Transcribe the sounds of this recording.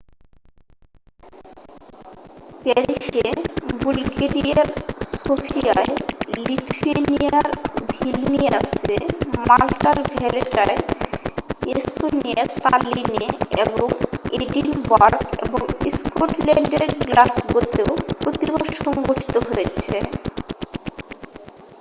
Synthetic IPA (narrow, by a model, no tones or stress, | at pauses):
pɛɾiʃebulɡeɾiaɾsofʰia̰elit̪ʰuenijaɾbʱilnia̰semalʈaɾbʱɛleʈae | est̪oniaɾt̪alineḛboŋeɖinbaɾkḛboŋḭskoʈlɛɳɖeɾɡlasbot̪eopɾot̪ibaʃɔŋɡoʈi̥t̪oɦojet͡ɕʰe